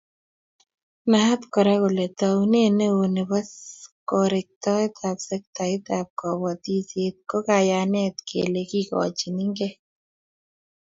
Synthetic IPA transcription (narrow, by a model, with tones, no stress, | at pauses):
na˨ɦa˦t̪kɔ˨ɾa˦ko˨le˨t̪a˨wne˦˨ne˦wo˨ne˨ba˦skɔ˨ɾɪ˨k̚t̪ɔ˦ɛ˦t̪ʰa˨psɛ˦k̚t̪a˨ɪ˦t̪a˨p̚kɔ˨wɔ˨t̪i˦se˦t̪̚kɔ˦ka˨ja˨nɛ˦t̪kʰḛ˨le˨ki˦kɔ̰˨t͡ʃi˨ni˦ŋɡe˦